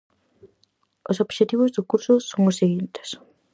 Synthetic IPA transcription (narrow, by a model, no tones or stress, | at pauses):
osobʃet̪iβozd̪oʊkuɾsosõŋoseɣint̪e̥s